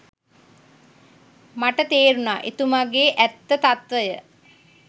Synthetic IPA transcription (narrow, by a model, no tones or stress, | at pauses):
maʈət̪eːɾunaːʔet̪umaɡeːʔæt̪ːət̪at̪ʋəjə